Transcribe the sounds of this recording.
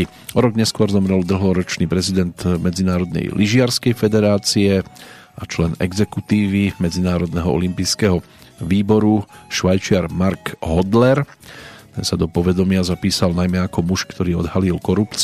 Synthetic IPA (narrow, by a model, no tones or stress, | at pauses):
ɔɾɔɡɲɛskʊɔɾzɔmɾɛld̪l̩ɦɔɾɔt͡ʃniːpɾɛzid̪ɛnt̪mɛd͡zinaːɾɔd̪nɛ̰jlʔiʒɪaɾskɛjfɛd̪ɛɾaːt͡siɛ | at͡ʃlɛnɛ̰ɡzɛkut̪iːʋimɛd͡zinaːɾɔd̪nɛɦɔɔ̰limpiːskɛːɦɔ | ʋiːbɔɾuʃʋajt͡ʃɪaɾmaɾɡɦɔd̪lɛɾ | t̪ɛ̰nsad̪ɔpɔʋɛd̪ɔmɪazapiːsalnajmɛakɔmuʃkt̪ɔɾiːɔ̰d̪ɦalilkɔɾupt͡s